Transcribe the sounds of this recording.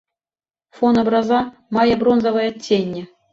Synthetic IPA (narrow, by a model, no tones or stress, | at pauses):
fonobrɑzɑ | mɑjɤbronzɤvɤjɑtʲːenʲːɘ̆